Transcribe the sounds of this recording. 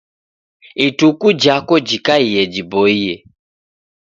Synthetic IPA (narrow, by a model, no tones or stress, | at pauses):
itukud͡ʒakɔd͡ʒikaijɛd͡ʒibɔijɛ